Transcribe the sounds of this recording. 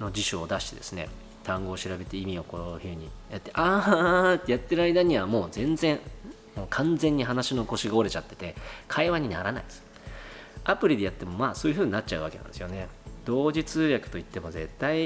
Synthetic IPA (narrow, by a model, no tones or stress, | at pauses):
no̞d͡ʑiɕoːd̪aɕi̥t̪e̞d̪e̞̰sɨne̞̰ | t̪ãŋɡo̞ːɕiɾabe̞t̪e̞imʲio̞kohɯ̟ːɲ̟ijat̪ːe̞ʔaːt̪ːe̞jat̪ːe̞ɾɯ̟aid̪aɲ̟iβamo̞ːzẽ̞nd͡zẽ̞ŋ | moːkʰãnd͡zẽ̞ɲ̟ːiɦanaɕino̞ko̞ɕiɡao̞ɾe̞t͡ɕat̪ːe̞̥t̪e̞kʰaiβaɲ̟ina̰ɾana̰id̪ | apɯ̟ɾʲid̪e̞jat̪ːe̞mo̞maːso̞ːjɯ̟ɸɯ̟ːɲ̟iːnat̚ːt͡ɕaɯ̟βake̞nã̰nd̪sɨjone̞d̪̥o̞ːd͡ʑit͡sɨːjakɯ̟̥t̪o̞it̪ːe̞mo̞ze̞̰t̪ːai